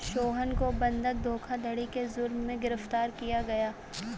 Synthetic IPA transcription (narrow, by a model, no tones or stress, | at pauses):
ʃoːɦənkobɐ̃nd̪ək̚d̪ʱoːkʰad̪ʱɐɽikezʊɾmːẽɡɪɾəft̪aːɾkijaɡɐjaː